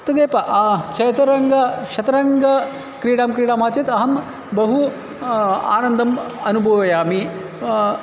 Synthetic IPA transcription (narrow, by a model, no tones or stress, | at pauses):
t̪ɐd̪eːpɐʔt͡ʃʰɐjt̪ɐɾɐŋɡɐʃɐt̪ɐɾɐŋɡɐ | kɾiːɽaːmkɾiːɽaːmaːt͡ʃit̪ɐɦɐm | bɐɦu | a̰ːnɐnd̪ʱɐmɐnubʱɐʋɐjaːmi